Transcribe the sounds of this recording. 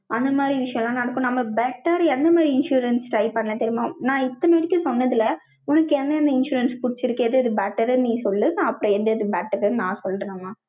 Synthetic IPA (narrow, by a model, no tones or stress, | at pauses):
ʔɐnd̪ɐmaːd̪ɾiʋɪʂɐjɐ̃lãːnɐɽɐkːõnɐmːɐbɛʈːɐɾɛnd̪ɐmaːd̪ɾiɪnʂuːɾɐnsʈɾɐɪpɐɳːɐlɐt̪ɛɾɪmãːnãːɪt̪ːɐnɐɽɪkːɐ̃sɔnːɐðɯlɐ | ʊnɐkːɛnːɐɐnd̪ɐɪnʂuːɾɐnspʊɽɪt͡ʃːɪɾɯkːɪðɯɪðɯbɛːʈːɐɾɐnĩːsɔlːɯnɐpːɯɾɔ̃ɛnd̪ɯɪðɯbɛːʈːɐɾɯnnãːsɔlːɾɐeːmãː